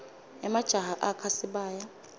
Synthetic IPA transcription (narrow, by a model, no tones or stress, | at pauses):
ɛmad̥ʒ̥ʱaɦaʔakʰasiɓaːja